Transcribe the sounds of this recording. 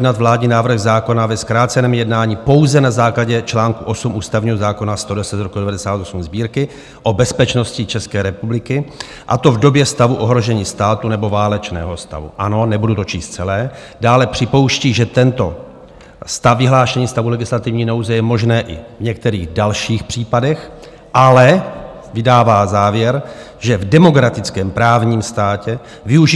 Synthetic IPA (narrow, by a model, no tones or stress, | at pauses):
dnat̪vlaːdɲiːnaːvr̩ɣzaːko̞navɛskɾaːt̪t͡sɛnɛːmɪjɛdnaːɲipo̞wzɛnazaːklaɟɛt͡ʃlaːŋkuʔo̞sumʔuːst̪avɲiːɦo̞zaːko̞nast̪o̞dɛsɛt̪zɾokudɛvadɛsaːt̪osumzbiːɾkɪ | ʔobɛspɛt͡ʃno̞scɪt͡ʃɛskɛːɾɛpublɪkɪ | ʔa̰t̪o̞vdo̞bjɛst̪avuʔo̞ɦɾo̞ʒɛɲiːst̪aːt̪unɛbo̞vaːlɛt͡ʃnɛ̰ːɦo̞st̪a̰vṵʔano̞nɛbudut̪o̞t͡ʃiːst̪̚t͡sɛlɛː | daːlɛpr̝̥ɪpo̞wʃciːʒɛt̪ɛnt̪o̞ | st̪afvɪɦlaːʃɛɲiːst̪avulɛɡɪslat̪ɪvɲiːnowzɛjɛmo̞ʒnɛːʔɪvɲɛk̚t̪ɛɾiːɣdalʃiːxpr̝̥iːpadɛx | ʔalɛ | vɪdaːvaːzaːvjɛɾʒɛvdɛmo̞kɾat̪ɪt͡skɛːmpɾaːvɲiːmst̪aːcɛ | vɪuʒ